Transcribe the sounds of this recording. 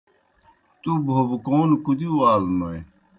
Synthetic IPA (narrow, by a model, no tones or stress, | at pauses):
t̪ubʱobkoːnkud̪iwaːlnoj